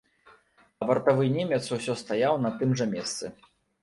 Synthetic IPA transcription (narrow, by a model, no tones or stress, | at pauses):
ɐbɐrt̪avɨnʲemʲɛt̪suwsʲɔst̪ajawnɐt̪ɨmʐɐmʲɛst̪sɨ